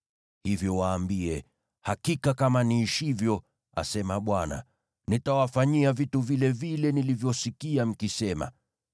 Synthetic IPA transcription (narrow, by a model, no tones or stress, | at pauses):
hivjɔwaːmbiɛ | hakikakamaniːʃivjɔ | a̰sɛmaɓwana̰ | nitawafaɲiavituvilɛvilɛnilivjɔsikiam̩kisɛma̰